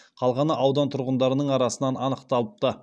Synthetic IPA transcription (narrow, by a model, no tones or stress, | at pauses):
qʰɑlˠʁɑnəʔɑwd̪ɑnt̪ʰʊɾʁənd̪ɑɾənəɴɑɾɑsənɑnɑnəqt̪ɑlˠəp̚t̪ə